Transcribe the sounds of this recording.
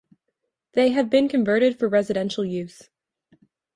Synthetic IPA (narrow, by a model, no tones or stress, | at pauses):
ðeɪɨvbɨ̃nkʰɨ̃ɱvɜ˞ɾɨd̥fə˞ɹɛzɨɾɛ̃nʃl̩ˠjʉz̥